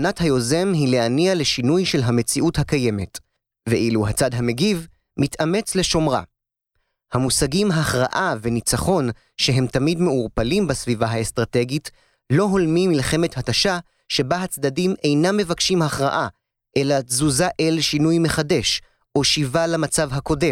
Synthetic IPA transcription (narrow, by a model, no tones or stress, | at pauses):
nathajo̞ze̞mɦile̞aniale̞ʃinujʃe̞lɦame̞t͡siʔuthakajeme̞t | veʔiluɦat͡sadɦame̞ɡiv | mitame̞t͡sle̞ʃo̞mʁa̰ | hamusaɡimɦaχʁaʔave̞nit͡saχo̞n | ʃe̞ɦe̞mtamidme̞uʁpalimbasvivaɦaestʁate̞ɡit | lo̞ɦo̞lmimilχe̞me̞thataʃa | ʃe̞baɦat͡sdadime̞jnamːe̞vakʃimaχʁa̰ʔa | ʔe̞lazuzaʔelʃinujme̞χade̞ʃ | o̞ʃivalamat͡savɦako̞de̞